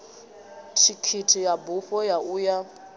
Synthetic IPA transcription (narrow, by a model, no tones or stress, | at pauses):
tʰikʰitʰijabuɸɔjaʔuja